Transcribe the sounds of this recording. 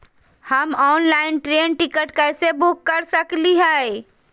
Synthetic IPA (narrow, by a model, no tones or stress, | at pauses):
həmɔːnlaɪnʈɾeːnʈikəʈkəɪsebukːəɾsəkliɦɛ